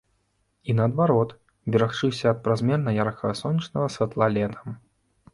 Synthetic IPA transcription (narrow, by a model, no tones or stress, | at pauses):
inɐːd̪vaɾɔt̪ | bʲiɾaxt͡ʂɨwsʲɐːt̪̚pɾazʲmʲɛrnɐjarkʰɐɣɐsɔnʲːit͡ʂnɐɣɐsʲvʲat̪lˠalʲɛt̪ʰɐ̥m